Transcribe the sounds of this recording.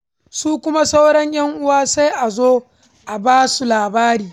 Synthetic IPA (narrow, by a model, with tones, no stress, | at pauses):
suː˦kʷʊ˦ma˦sa˦wɽɛ˦ɲj̰ɐ˦ŋʔʊ˦waː˦sa˦jʔa˨zoː˦ | ʔa˨baː˦su˨laː˨baː˦ɾiː˨